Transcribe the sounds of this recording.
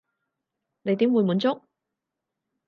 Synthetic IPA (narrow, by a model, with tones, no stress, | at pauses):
ne˨˧jt̪i˨˥mwu˨˧jmuː˨˧nt͡sʊ˥k̚